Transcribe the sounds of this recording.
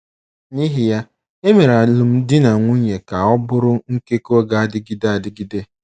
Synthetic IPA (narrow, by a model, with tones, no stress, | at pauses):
ni˦ɦi˨ja˦ | e˦me˨ɾa˨lʊ˨m̩˦dɪ˦na˨ŋʷu˦ɲe˨ka˨ɔ˦bʊ˦ɾʊ˦ŋ̩˦ke˦ko˦ɡa˨a˦dɪ˦ɡi˦de˦a˨dɪ˦ɡi˦de˦